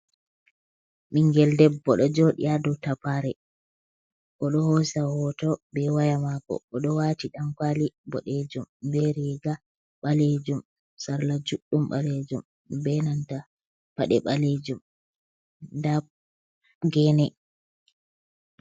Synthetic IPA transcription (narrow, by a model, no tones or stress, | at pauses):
miŋɡɛldɛbːɔɗɔd͡ʒɔɗḭadɔtapaɾɛ | ʔɔɗɔhɔsahɔtɔbɛwajamakɔ̰ːɗɔwatiɗamkwalibɔ̰ɗed͡ʒumbɛɾiɡa | ɓaled͡ʒum | saɾlad͡ʒuɗːumɓaled͡ʒum | bɛnanta | paɗɛɓaled͡ʒum | da | ɡɛnɛ